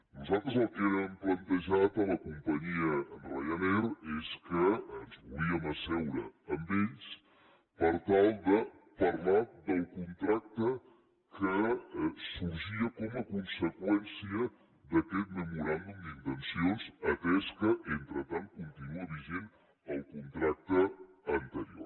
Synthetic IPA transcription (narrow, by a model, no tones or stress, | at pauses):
nuzalˠt̪ɾəzəlˠkenəmplənt̪əʒat̪ələkumpəɲiəːnrajənɛɾeskəənzβuliəməsɛwɾə̰ːmbeʎs | pəɾt̪alˠd̪ə | pəɾlad̪əlˠkunt̪ɾak̚t̪ə | kəsuɾʒiəkɔməkunsəkwɛnsiə | ðəkɛt̪̚məmuɾand̪umd̪int̪ənsionzət̪ɛskəʔent̪ɾət̪an̚kunt̪inuəβiʒen | əlˠkunt̪ɾak̚t̪əː | nt̪əɾio̰